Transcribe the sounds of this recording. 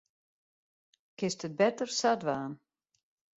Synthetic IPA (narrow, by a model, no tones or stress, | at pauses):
kɪstət̚bɛtərsadʋaːn